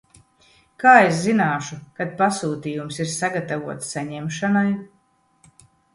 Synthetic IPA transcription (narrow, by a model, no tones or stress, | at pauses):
kaːeszinaːʃukad̪̚pasuːt̪iːjumsiɾsaɡat̪avuɔt̪sːaɲɛmʃanaj